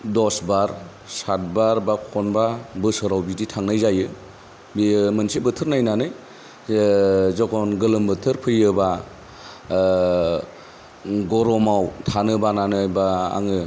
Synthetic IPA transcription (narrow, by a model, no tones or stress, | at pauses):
dɔsbaɾ | sat̚baɾbakʰɔnbabɯsɯɾawbiditʰaŋnajzajɯ | bimɯnsibɯtʰɯɾnajnanɯj | zɔkʰɔnɡɯlɯmbɯtʰɯɾpʰɯjɯba | ɡɔɾɔmawtʰanɯbananɯjba̰ːŋɯ